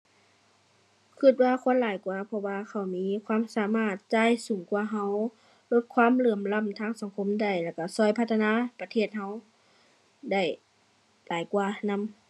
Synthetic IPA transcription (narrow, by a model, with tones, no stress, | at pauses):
kʰɯ˧˩t̪̚waː˧kʰo˧˥˨nlaː˨˦jkwaː˧pʰɔ˧waː˧kʰa˧˩wmiː˧˥˨kʰwaː˧˥˨msaː˨˦maː˧˩t̪̚t͡ɕaː˧˥˨jsuː˨˦ŋkwaː˧ɦa˧˥˩w | lo˧˩t̪̚kʰwaː˧˥˨mlɯː˧˩əmla˧˥˨mt̪ʰaː˧˥˨ŋsa˨˦ŋkʰo˧˥˨mda˧˩jlɛː˧˩ka˧˩sɔː˧˩jpʰa˧t̪ʰːa˧naː˧˥˨pa˧t̪ʰeː˧˩t̪̚ɦa˧˥˨w | da˧˩j | laː˨˦jkwaː˧˩na˧˥˨m